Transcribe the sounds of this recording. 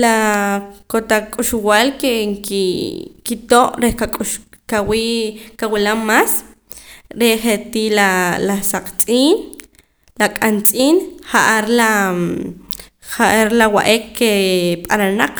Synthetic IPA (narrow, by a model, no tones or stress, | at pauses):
la | kot̪akʼuʃwalkekikit̪oʔɾehkakʼuʃkawikawilamːaːs | ɾeχet̪ilalasaqt͡sʼiːn | lakʼant͡sʼiːnχaʔaɾla | χaʔaɾlawaʔekkːepʼananaq͡χ